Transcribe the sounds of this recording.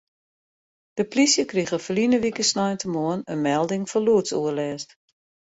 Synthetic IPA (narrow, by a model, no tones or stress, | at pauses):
d̥əplisjəkriɣəfəlinəʋikəsnɔjntəmoənənmɛlˠdɪŋfɔluətsuərlɛːst